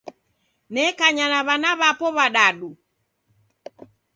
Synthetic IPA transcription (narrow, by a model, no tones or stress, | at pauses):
nɛkaɲanaβanaβapɔβaɗaɗu